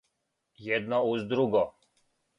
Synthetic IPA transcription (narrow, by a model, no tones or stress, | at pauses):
jɛd̪nɔuzd̪ɾuɡɔ